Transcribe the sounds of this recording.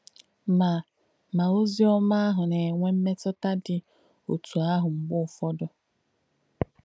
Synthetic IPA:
ma˨ | ma˨o˦zi˦ɔ˦ma˦a˦ɦʊ˨ne˨ŋʷe˦m̩˦me˦tɔ˦ta˦dɪ˨ | o˨tu˨a˦ɦʊ˨ŋ͡m̩˨ɡ͡bʊ˦˨fɔ˦dʊ˦

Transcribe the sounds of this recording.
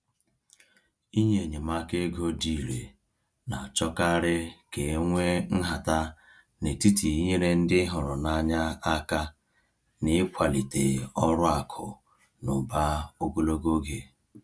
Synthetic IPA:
i˦ɲe˨ɲe˨ma˦ke˦ɡo˦di˨ɾḛ˨ | na˨t͡ʃɔ˦ka˦ɾɪ˦ke˨˦ŋʷe˦n̩˦ɦa˨ta˦ | ne˨ti˦ti˨i˦ɲe˦ɾe˦n̩˦dɪ˦ɦʊ˨ɾʊ˨na˦ɲa˦a˦ka˦ | nɪ˦kʷa˨li˨te˨ɔ˦ɾʊ˦a˨kʰʊ˨ | nʊ̰˨ba˦o˦ɡo˦lo˦ɡo˦ɡe˨

